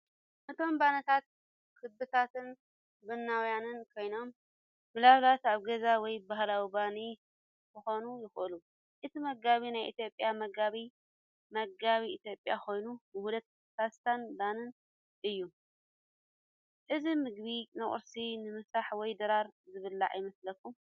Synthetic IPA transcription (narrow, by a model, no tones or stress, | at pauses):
ʔɨt̪ʰo̞mbanɐt̪ʰat̪̚ | kʰɨdbɨt̪ʰat̪ʰɨn | bɨnːawjanɨnkʰo̞jno̞mː | ɨlaβlat̪aβɡɐzawɔjbaɦlawibani | kʰɨxo̞nujɪxʔɨlu | ʔɨt̪ʰimɐɡaβinajʔɨt̪jo̞pʼjamɐɡaβi | mɐɡaβiʔit̪ʰjo̞pʼjakʰo̞jnubɨhulɐt̪̚ | sast̪ʰanbanɨn | ʔɨjːu | ʔɨzimɨɡ̚βinɐχʼɨ̰ɾsinɨmɨsaħwɔjd̪ɐɾaɾzɨβɨlːa̰ʕa̰jmɐslɐkʰːum